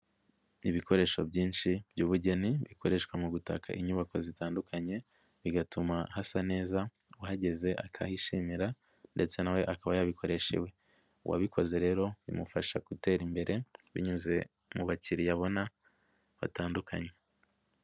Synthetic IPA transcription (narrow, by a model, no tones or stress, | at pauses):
iβikʰo̞ɾe̞ʃo̞bɟiːnʃib̥ɟuːβuɟe̞niβikʰo̞ɾe̞ʃkwamuɡuta̰kʰa̰ʔiɲuβako̞zitaːndukʰaɲe̞ | βiɡatumahasane̞ːzawahaɟe̞ze̞ʔa̰kʰahiʃimiɾa | nde̞t͡se̞nawe̞ʔakaβajaβikʰo̞ɾe̞ʃḛwe̞ | uwʔa̰βikʰo̞ze̞ɾe̞ːɾo̞βḭmufaʃakute̞ːɾimbe̞ɾe̞βḭɲuze̞ | muβaciɾijaβo̞na | βa̰taːndukʰa̰ɲe̞